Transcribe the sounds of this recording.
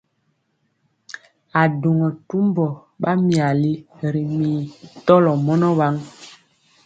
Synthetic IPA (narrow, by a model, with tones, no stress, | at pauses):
a˨du˨ŋɔ˨tu˦mbɔ˨ | ɓa˦mi˨a˨li˦ɾi˨miː˨tɔ˦lɔ˨mɔ˦nɔ˦wa˦ŋ